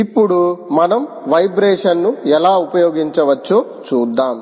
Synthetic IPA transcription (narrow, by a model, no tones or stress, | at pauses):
ipːuɽumɐnɐm | ʋɐjbɾɛːʂɐnnuɛlaːupɐjoːɡiɲt͡ʃɐʋɐt͡ʃːoː | t͡ʃuːd̪ːaːm